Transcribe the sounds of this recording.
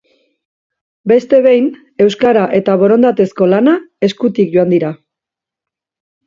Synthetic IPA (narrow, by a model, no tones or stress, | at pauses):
be̞st̪e̞β̞e̞jn | e̞wskaɾaʔe̞t̪aβo̞ɾo̞nd̪at̪esko̞lanae̞skut̪ikʝo̞and̪iɾa